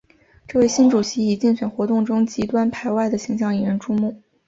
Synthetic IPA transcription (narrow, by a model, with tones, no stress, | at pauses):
ʈ͡ʂɤ˥˧we˥˩ɪɕi˥nʈ͡ʂu˨˩ɕi˧˥i˨˩t͡ɕi˥˩nɕɥɛ˨˩nxwɔ˧˥t̪ʊ˥˩ŋʈ͡ʂʊ˥ŋt͡ɕi˧˥t̪wa˥npʰa˧˥ɪwa˥˩ɪd̪ə˩ɕi˧˥ŋɕ̬jɑ˥˩ŋi˥˩ɻə˧˥nʈ͡ʂʰu˥mu˥˩